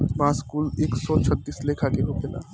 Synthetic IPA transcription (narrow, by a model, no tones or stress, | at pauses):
baːskuːleːksɔt͡ʃʰət̪ːiːslekʰakeɦokela̰ː